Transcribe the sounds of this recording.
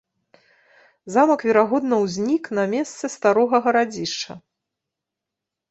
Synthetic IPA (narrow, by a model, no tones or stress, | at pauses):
zamɐkvʲɛɾaɣɔd̪nɐwzʲnʲiknɐmʲest̪sɨst̪aɾɔɣɐɣɐɾad͡zʲiʂt͡ʂɐ̰